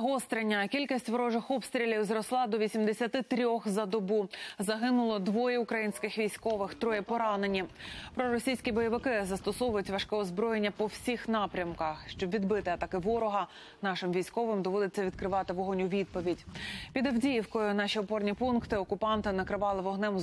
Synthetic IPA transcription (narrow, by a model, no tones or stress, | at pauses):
ɦɔst̪ɾenʲːɐkʲilʲkʲisʲtʲʋɔɾɔʒɪxɔpst̪ɾʲilʲiwzɾɔslˠɑd̪ɔʋʲisʲimd̪esʲɐt̪ɪt̪ɾʲɔxzɐd̪ɔbuzɐɦɪnʊlˠɔd̪ʋɔjɛʊkɾɐjinʲsʲkɪxʋʲijsʲkɔʋɪxt̪ɾɔjɛpɔɾɑnenʲːipɾɔɾɔsʲijsʲkʲibɔjɔʋɪkɪzɐst̪ɔsɔʋʊjʊtʲʋɐʃkɛɔzbɾɔjenʲːɐpɔwsʲixnɑpɾʲɐmkɐxʃt͡ʃɔbʋʲid̪bɪt̪ɪɐt̪ɐkɪʋɔɾɔɦɐ | nɑʃɪmʋʲijsʲkɔʋɪmd̪ɔʋɔd̪ɪt͡sʲːɐʋʲid̪kɾɪʋɑt̪ɪʋɔɦɔnʲʊʋʲid̪̚pɔʋʲidʲpʲid̪ɐwdʲijiwkɔjʊnɑʃiɔpɔrnʲipunkt̪ɪɔkʊpɑnt̪ɪnɐkɾɪʋɑlˠɪʋɔɦnɛm